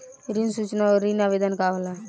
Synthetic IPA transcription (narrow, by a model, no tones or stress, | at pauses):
ɾinsut͡ʃnaɔɾinabed̪ankaʋla